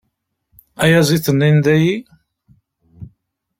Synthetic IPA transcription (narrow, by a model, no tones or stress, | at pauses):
æjæzˤiθənːind̪æji